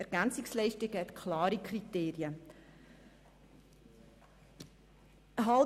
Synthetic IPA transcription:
ɛɾɡ̥ænt͡sɪkslɛɪʃtɪɡhɛt̪kʰlɑːɾikʰɾiteːɾiə | ɦɑl

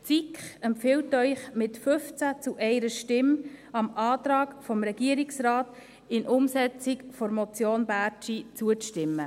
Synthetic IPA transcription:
t͡sikχɛmpfɪltœʏχmɪtfʏft͡sæt͡sʊʔɛɪɾəʃtɪmɑmɑːtɾɑːkfɔmɾɛɡ̥iəɾiksɾaːt | ɪnʔʊmsɛt͡sɪkfɔɾmɔt͡sjoːnbæːɾt͡ʃit͡suətɪmːə

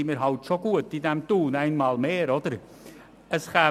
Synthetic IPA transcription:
imiːɾɦɑltʃoɡ̥uətidɛmtuːnaɪnmɑːlmeːɾɔdəɾ | əsχa

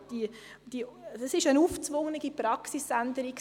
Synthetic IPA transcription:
d̥i | d̥iəsɪʃənuːft͡svʊŋnəɡipɾɑksisænd̪əɾik

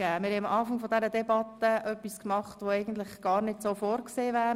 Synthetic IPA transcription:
æːmɪːɾhɛmʔɑːfɑŋfodɛɾədɛbɑt̪əʔœpːiskmɑχtʋoɛɪɡən̩tlɪχɡ̥ɑːɾnɪdsoːfoːɾkseːvæː

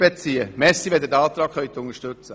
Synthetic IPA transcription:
bet͡siəmɛsiʋɛd̪ədɑːt̪ɾɑːkχœʏt̪ʊŋəʃtɵt͡sə

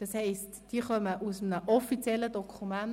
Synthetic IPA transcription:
d̥ɑshɛɪstd̥iəχœməʔusəmnəʔɔfit͡sjɛlːədɔkʰumæn

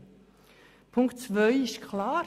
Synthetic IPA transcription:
pʰʊŋktt͡svœʏɪskʰlaː

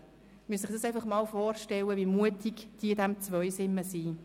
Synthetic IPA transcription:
myəsɪχd̪̥ɑsɛɪfɑχmɑːlfɔːɾʃtɛlːəvimuətikd̥iːdæmt͡svœʏsɪmːəsiː

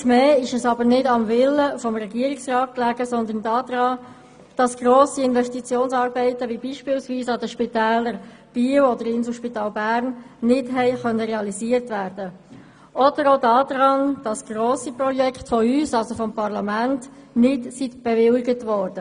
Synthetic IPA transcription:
mɛːɪʃɛsɑbəɾnɪdɑmvɪləfɔmɾɛɡiːəɾiksrɑːt̚klæɡ̥əsɔnd̪əndɑːd̥̪ɾɑː | d̥ɑsɡ̥ɾoːsiɪnvɛstit͡sjoːnsɑːɾbɛɪtəʋibiːʃpɪːlsʋiːsɑd̪əʃpitɛːləɾ | b̥iːwɔd̪əɾɪnsəlʃpitɑːlbæːɾnːɪdɦɛɪχœnːəʁɛɑliziːəɾtvæːɾd̥ə | ʔɔd̥əɾoʊdɑːd̪ɾɑnd̥ɑsɡ̥roːsiprɔjɛktfɔyːsɑlsofɔmpɑʁlɑmæntnɪdsitb̥ɛʋɪlɪɡətʋɔːɾd̥ə

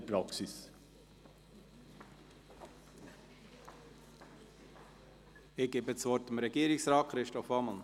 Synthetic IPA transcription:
pɾɑksɪs | ɪɡ̥eːbəsvɔɾtɪmɾɛɡ̥iːɾɪsɾɑːkχɾɪʃtɔfɑməl̩

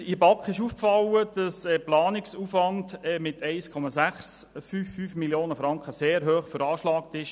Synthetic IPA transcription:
ɪbɑkχɪʃuːfkfɑwəd̥ɑsɛplɑːnɪksufʋɑndɛːmɪtʰɛɪskʰɔmɑsæχsfyːfːyːfmiljoːnəfɾɑŋkχəseːɾɦøːχfəɾɑːʃlɑːk̚tɪʃ

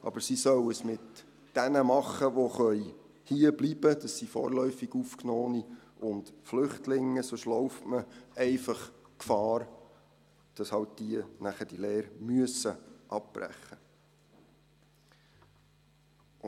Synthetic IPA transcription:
ʔɑ̰b̥əɾsisœwəsmɪt | d̥ɛnəmɑχːəʋoχœʏ | hiəblib̥əd̥ɑsːifɔ̰ːɾlœʏfiɡ̥ufknɔːni | ʔʊntflʏχtlɪŋːəsʊʃlɔwftməɛɪfɑχkfɑːɾ | d̥ɑshɑwt̚d̥iənæχəd̥ileːɾmyəsəʔɑp̚b̥ræ̰χːə

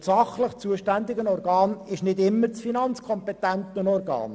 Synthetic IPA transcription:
sɑχləχt͡suəʃtænd̪ɪɡənɔrɡɑːnɪʃnɪdɪmːəɾt͡sfinɑnt͡skʰɔmpɛt̪ænt̪ənɔrɡɑ̰ːn

